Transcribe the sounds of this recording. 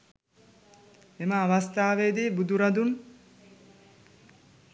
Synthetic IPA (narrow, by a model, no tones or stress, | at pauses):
emaːʋɐst̪aːʋed̪ibud̪uɾɐd̪un